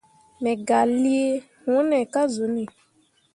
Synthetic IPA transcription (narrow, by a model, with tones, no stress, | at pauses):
mɛ˨ɡa˨li˦e˦ | wɔ̃˦nɛ˨ka˦zo˨˦nɛ̃˨